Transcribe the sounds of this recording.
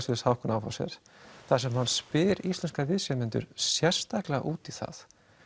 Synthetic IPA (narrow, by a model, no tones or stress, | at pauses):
sʏɾshawhkʏnawfa̰wsjɛ̰ɾ̥ | θasɛmhanspɪːɾist̪lɛnskaɾvɪðsɛmɪnt̪ʏ̰ɾ̥sjɛr̥st̪aklaʔuːt̪iθa̰θ